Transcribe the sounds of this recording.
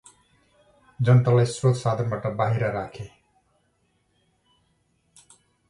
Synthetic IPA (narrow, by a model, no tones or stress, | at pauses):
d͡zʌnt̪alajsrot̪sad̪ʱʌnbaʈʌbaɦiɾaɾakʰe